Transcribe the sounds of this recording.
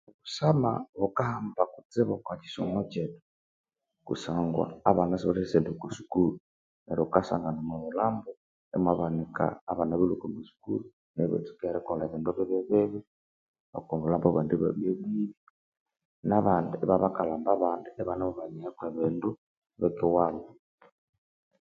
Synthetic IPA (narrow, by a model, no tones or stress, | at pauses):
βusamaβokahambakut͡seβokwaci̥somocetu̥ | kṵsaːŋɡwa̰ːβanasoɾesendukusu̥kulu | neɾokasa̰ŋɡanamaβulaːmbo | ḛmaβanika̰ːβanaβilukobusu̥kṵlu | neβḛt͡su̥keɾekoleβeːndoβeβeβeβi | a̰komβulaːmbaβandeβa̰βieβiβi | naβaːndueβaβakalaːmbaβaːndueβanaβoβaɲihekweβeːndu | βekiwaβo